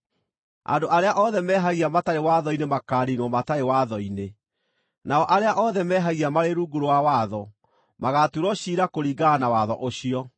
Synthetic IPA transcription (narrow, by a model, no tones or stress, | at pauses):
a̰doʔaɾeaʔɔðɛmɛːɦaɣiamataɾewaðɔinemakaːɾinwɔmataɾewaðɔine | naɔʔaɾeaʔɔðɛmɛːɦaɣiamaɾeɾuːɡuɾowawaðɔ | maɣatuɾɔɕiɾakoɾiːɡanawaðɔ̰ʔoɕiɔ